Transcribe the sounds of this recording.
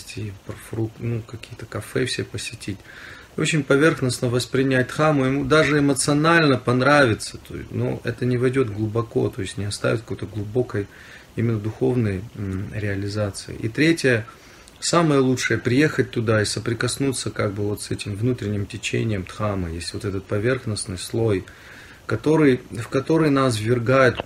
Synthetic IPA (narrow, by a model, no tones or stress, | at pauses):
tʲɪpfɾunukɐkʲijət̪əkɐfɛfsʲepəsʲɪtʲitʲ | ot͡ɕɪnʲpɐvʲe̞rxnəsnəvəspɾʲɪnʲæt̚ʲt̪xamʊjɪmud̪aʐɨɪmət̪sɨɐnalʲnəpɐnɾavʲɪt̪sə̥t̪o̰no̰ɛ̰t̪ənʲɪvɐjdʲo̞t̪ɡlˠʊbɐko̞̰t̪o̞jɪsʲtʲnʲɪɐst̪a̰vʲɪt̪̚kəkojt̪əɡlˠʊbo̞kəj | imʲɪnːəd̪ʊxo̞̰vnəjɾʲɪɐlʲɪzat̪sɨɪ̰ʔḭt̪ɾʲetʲɪjə | saməjəlˠutʂɨjəpɾʲɪje̞xət̚ʲt̪ːʊd̪aɪsəpɾʲɪkɐsnut̪sːəkaɡ̚bɨvo̞t̪sɛtʲɪmvnut̪ɾʲɪnʲːɪmtʲɪt͡ɕḛnʲɪjəmt̪xamɨ̰jesʲvo̞t̪ɛt̪ət̪̚pɐvʲe̞rxnəsnɨjslˠo̞j | kɐt̪o̞ɾɨjfkɐt̪o̞ɾɨjnas̬vːʲɪrɡajɪt̪